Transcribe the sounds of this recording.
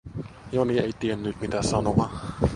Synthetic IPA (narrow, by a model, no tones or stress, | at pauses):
jonieit̪ienːyt̪mit̪æsɑnoʋɑ